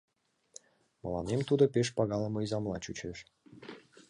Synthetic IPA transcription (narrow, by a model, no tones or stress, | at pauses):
mə̰lɑ̰nemt̪ud̪opeʃpɑɣɑlə̆məizɑmlɑt͡ɕut͡ɕeʃ